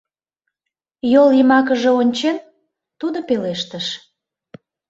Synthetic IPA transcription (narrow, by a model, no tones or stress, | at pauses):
joljəmɑk̬əʒeonʲt͡ɕen | t̪ud̪opeleʃt̪əʃ